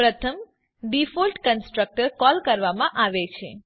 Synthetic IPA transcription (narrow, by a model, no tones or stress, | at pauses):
pɾət̪ʰəm | ɖifɔlʈkənsʈɾək̚ʈəɾkɔlkəɾʋamãʔaʋet͡ʃʰḛ